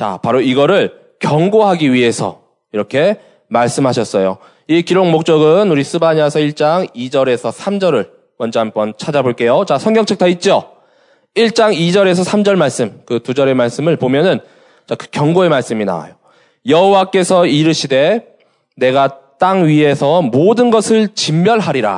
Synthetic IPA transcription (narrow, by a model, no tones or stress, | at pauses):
t͡ɕa̰paɾoiɡʌɾɯɭ | kjʌŋɡoɦaɡiɥie̞sʰʌ̰ | iɾʌkʰe̞ | maɭs͈ɯmɦaɕʰʌs͈ʌjo̰ | ikiɾoŋmok̚t͡ɕ͈ʌɡɯnuɾisʰɯbaɲiasʰʌiɭt͡ɕ͈aŋid͡ʑʌɾe̞sʰʌsʰamd͡ʑʌɾɯɭ | mʌnd͡ʑʌɦambʌnt͡ɕʰad͡ʑaboɭk͈e̞jot͡ɕasʰʌŋɡjʌŋt͡ɕʰek̚tʰait̚t͡ɕ͈o | iɭt͡ɕ͈aŋid͡ʑʌɾe̞s̬ʰʌsʰamd͡ʑʌɭmaɭs͈ɯmkɯtud͡ʑʌɾe̞maɭs͈ɯmɯɭpomjʌnɯn | t͡ɕakɯ̥kjʌŋɡoe̞maɭs͈ɯmina̰a̰jo | jʌɦowak͈e̞sʰʌiɾɯɕʰide̞ | ne̞ɡat͈aŋɥiɦe̞sʰʌmodɯnɡʌsʰɯɭt͡ɕimːjʌɭɦaɾiɾa̰